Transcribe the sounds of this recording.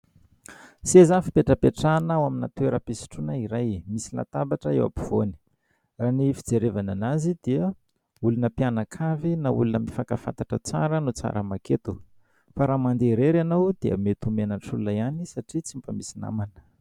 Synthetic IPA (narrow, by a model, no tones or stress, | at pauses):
sezafi̥peʈ͡ʂəpeʈ͡ʂanawaminat̪ueɾəpisi̥ʈ͡ʂunaiɾajmisila̰t̪abaʈ͡ʂəḛwa̰piv̥oni̥ | ranifid͡zeɾevananazid̪iə | ulunəpianakʰavinaṵlunəmifakafa̰nt̪aʈ͡ʂət͡sa̰ɾənut͡sa̰ɾəmaket̪u | faɾamand̪eɾeɾanawd̪̥eə̰met̪umenaʈ͡ʂulunaanisaʈ͡ʂit͡simpamisina̰manə̥